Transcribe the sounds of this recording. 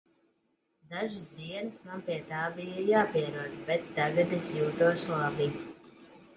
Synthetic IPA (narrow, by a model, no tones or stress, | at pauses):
d̪aʒɨsd̪iɛnɨsmanpʲiɛt̪aːbijəjaːpiɛɾuɔd̪bɛt̪ːaɡat̪esjuːt̪uɔslˠabi